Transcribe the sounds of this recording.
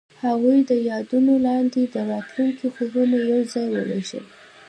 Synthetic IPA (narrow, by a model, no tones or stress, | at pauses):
haɣujd̪əjɑd̪unolɑnd̪ed̪əɾɑt̪luŋkixozənojawzɑjwə̰ɾeʒə̰l